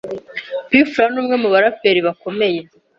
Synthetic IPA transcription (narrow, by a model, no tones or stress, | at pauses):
pifɾanuːmŋe̞muβaɾapeɾiβako̞me̞je̞